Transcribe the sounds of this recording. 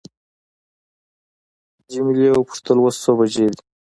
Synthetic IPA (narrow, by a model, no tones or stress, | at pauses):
d͡ʒimilewəpʊ̥ʂt̪əlwossobad͡ʒed̪i̥